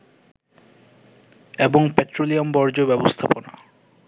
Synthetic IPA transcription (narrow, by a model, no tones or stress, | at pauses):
eboŋpeʈɾoliombɔɾd͡ʑobɛbost̪ʰapona̰